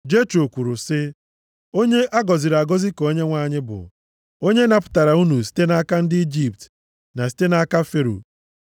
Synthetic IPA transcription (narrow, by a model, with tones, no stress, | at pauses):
d͡ʒe˦t͡ʃo˨kʷu˨ɾu˨sɪ˦ | o˦ɲe˦ʔa˦ɡɔ˨zɪ˨ɾa˨ɡɔ˦zi˦ko˦ɲe˦ŋʷa˦˨ɲɪ˦bʊ̰˨ | o˦ɲe˦na˨pʊ̥˨ta˨ɾa˨u˦nu˨s̬i̥˦te˦na˦ka˦n̩˦dɪ˦i˦d͡ʒi˨pt | na˨si̥˦te˦na˦ka˦fe˦ɾo̰˨